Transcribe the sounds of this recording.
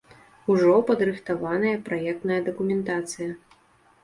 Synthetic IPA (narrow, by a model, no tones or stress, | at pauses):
uʐɔpɐd̪ɾɨxt̪avanɐjɐpɾajɛk̚t̪nɐjɐd̪ɐkumʲɛnt̪at̪sɨjɐ